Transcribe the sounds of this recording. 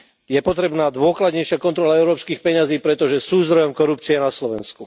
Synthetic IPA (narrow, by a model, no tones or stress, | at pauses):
jɛpɔt̪ɾɛbnaːd̪ʋʊɔklad̪ɲɛjʃɪakɔnt̪ɾɔlaɛʊɾɔːpskiːxpɛɲaziːpɾɛt̪ɔʒɛsuːzd̪ɾɔjɔmkɔɾup̚t͡siɛnaslɔʋɛ̰nsku